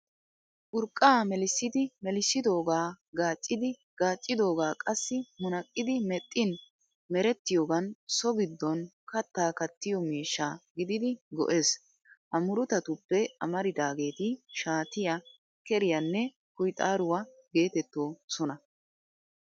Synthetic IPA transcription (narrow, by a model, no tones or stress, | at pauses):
ʔʊɾkʼːaːmɛlɪsːɪd̪ɪmɛlɪsːɪd̪o̞ːɡaː | ɡaːt͡ʃʼːɪd̪ɪ | ɡ̥aːt͡ʃʼːɪd̪o̞ːɡaːkʼɐsːɪmʊnɐkʼːɪd̪ɪmɛt̪ʼːɪn | mɛɾɛt̪ːɪjoːɡɐnsɔɡɪd̪ːɔn | kɐt̪ːaːkɐt̪ːɪjɔmiːʃːaːɡɪd̪ɪd̪ɪɡɔ̰ʔe̞ːs | ʔɐmʊɾʊt̪ɐt̪ʊpːɛɐmɐɾɪd̪aːɡe̞ːt̪ɪʃaːt̪ɪjɐ | kɛɾɪjɐnːɛ | kʊjt̪ʼaːɾʊwɐ | ɡe̞ːt̪ɛt̪ːoːsɔnɐ